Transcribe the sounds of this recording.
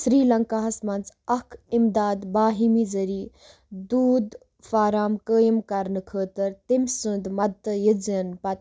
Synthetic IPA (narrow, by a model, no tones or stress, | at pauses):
sɾiːlɐŋkaːɦɐsmɐnt͡sɐkʰimd̪aːd̪baːɦimiːzɐɾiː | d̪uːd̪ | faːɾaːmkəːjəmkɐɾnɨkʰəːt̪əɾt̪imsɨ̃nd̪mɐt̪ːəjəd͡zənpɐt̪